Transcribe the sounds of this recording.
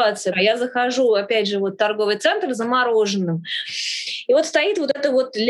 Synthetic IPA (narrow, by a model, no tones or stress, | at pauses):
at̪sɨjjazəxɐʐuɐpʲædʲʐɨvo̞t̪ːɐrɡo̞vɨjt̪sɛnt̪rzəmɐɾo̞ʐɨnːɨm | ivo̞t̪st̪ɐit̪vo̞t̪ɛt̪əvo̞t̪lʲ